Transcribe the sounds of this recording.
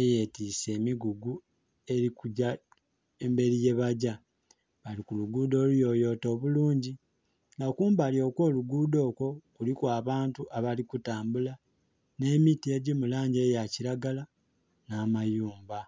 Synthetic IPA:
eje̞tise̞ːmiɡuɡu | e̞ɾikuɟa | embe̞ɾije̞βaɟa | βalikuluɡuːdo̞ːlujo̞ːjo̞ːto̞ːβuluːɲɟi | ŋɡakuːmbalio̞ːkwo̞ːluɡuːdo̞ːkwo̞kulikwaːβaːntuʔaβalikutaːmbula | ne̞mitie̞ɟimulaːɲɟe̞ːjaciɾaɡala | namajuːmba

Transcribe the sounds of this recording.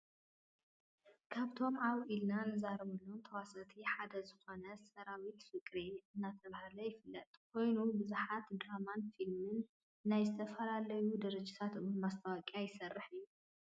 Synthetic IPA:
kʰaβt̪ʰo̞mʔaβʔilnanɨzaɾɐβulːont̪ʰɐwasat̪ʰiħad̪ɐzɨxo̞nɐsɐɾawit̪fɨkʼɾiɨnːat̪ʰɐβahalɐjɪfɨlːɐt̪ʼkʰo̞jnubɨzuħat̪d̪ɾamanfilmɨnː | ajzɨt̪ʰɐfɐlalɐjud̪ɐɾɐd͡ʒɪt̪ʰat̪ɨɨnmast̪ʰɐwakʼjajɪsɐrːɨħɨjːu

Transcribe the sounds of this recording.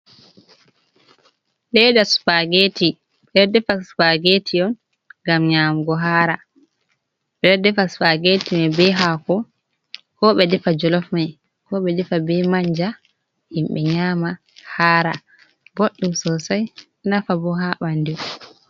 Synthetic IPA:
lɛdasu̥paɡeti | ɓɛdɛdɛfasu̥paɡetʰiɔn | ɡamɲaːmɡɔɦaːɾa | ɓɛdɛdɛfasu̥paɡetimabɛɦakɔ | kɔɓɛdɛfad͡ʒɔlɔfmaj | kɔɓɛdɛfabɛmaɲd͡ʒa | himɓɛɲaːma | haːɾa̰ | boɗːumsɔsaj | nafabɔɦaɓandi

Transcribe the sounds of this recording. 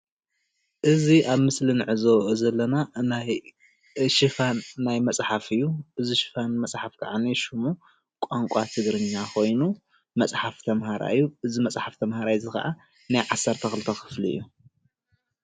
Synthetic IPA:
ʔɨziʔaβmɨslinɨʕɨzozɐlːɐnanaj | ʃɨfanːajmɐt͡sʼħafɨjːuʔɨziʃɨ̥fanmɐt͡sʼħafkʰɐʕaniʃumu | kʷʼaŋkʷʼat̪ʰɨɡɾɨɲːakʰo̞jnu | mɐt͡sʼħaft̪ʰɐmhaɾa̰ʔɨjːuʔɨzimɐt͡sʼħaft̪ʰɐmhaɾajzɨxɐ̰ʔa | najʕasːɐɾt̪ʰɐxɨlɨt̪ʰɐkɨ̥fliɨ̰jːu

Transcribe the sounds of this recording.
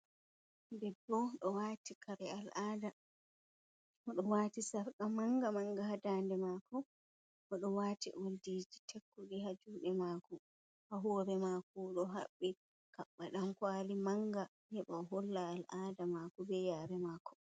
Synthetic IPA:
dɛbːɔɗɔwaːtikʰaɾɛalʔaːda | ɔɗɔwaːtisaɾkamaŋɡamaŋɡaɦadandɛmakɔ | ʔɔɗɔwatḭʔoldiːd͡ʒitʰekːuɡiɦad͡ʒuɗɛmaːkɔ | haɦɔːɾɛmaːkɔɗɔɦaɓːi | kaɓːaɗamkwaːlimaŋɡa | hɛɓaɦolːaːlʔaːdamaːkɔbɛjaːɾɛmaːkɔ̥

